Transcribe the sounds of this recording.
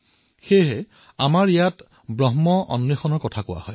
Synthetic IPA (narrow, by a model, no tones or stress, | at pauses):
xejɦɛ | amaɹijat | bɹɔɦmɔɔ̰nɹixɔnɔɹkɔtʰakʊwa̰hɔj